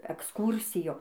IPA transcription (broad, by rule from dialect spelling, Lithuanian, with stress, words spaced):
ɛksˈkuːrʲsʲɪjoː